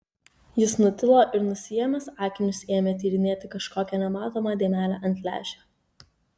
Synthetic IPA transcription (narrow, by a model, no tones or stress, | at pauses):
jɪsnʊt̪ʲɪlˠoːʔɪɾnʊsʲɪjɛmʲɛsɑːkʲɪnʲʊseːmʲɛt̪ʲiːɾʲɪnʲeːt̪ʲɪkɐʃkoːkʲɛnʲɛmɑːt̪oːmɑd̪ʲeːmʲæːlʲæːʔɐnʲt̪ʲlʲæ̰ːʒʲɛː